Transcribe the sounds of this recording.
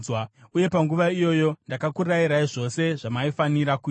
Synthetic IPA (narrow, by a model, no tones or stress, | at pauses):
wauje̞paŋɡuʋaijo̞jo̞ndakakuraiɾaiʐo̞se̞ʐamaifaniɾaku